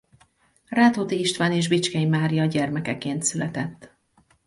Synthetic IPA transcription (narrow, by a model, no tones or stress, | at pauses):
raːt̪oːt̪iiʃt̪vaːneːʒbit͡ʃkɛjimaːɾijɒɟɛrmɛkɛkeːnt̪sylɛt̪ɛt̪ː